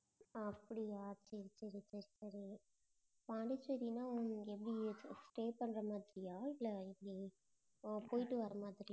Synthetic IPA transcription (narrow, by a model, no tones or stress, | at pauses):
ɐpːɐɽiaːsɐɾisɐɾisɐɾisɐɾi | paːɳɖɯt͡ʃːɐɾinaːɛp̬ːɐɽisʈeːpɐɳːɾɐmaːðɪɾɪjaːɪlːɐɪpːɐɽi | poːjɪʈːɯʋɐɾɐmaːðɪɾi